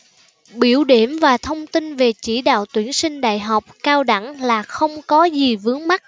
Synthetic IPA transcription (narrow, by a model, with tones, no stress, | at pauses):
ɓḭ˧˩əwɗi˧˩əmvaː˨˩t̪ʰə˧wŋ͡mt̪i˧nve˨˩t͡ɕi˧˩ɗa̰ː˧˨wt̪wi˧˩ənsï˧ŋ̟ɗa̰ː˧˨jɦa˨˩wk͡p̚kaː˧wɗa̰˧˩ŋlaː˨˩xə˧wŋ͡mkɔ˨˦zi˨˩vɨ˨˦əŋma˦˥t̚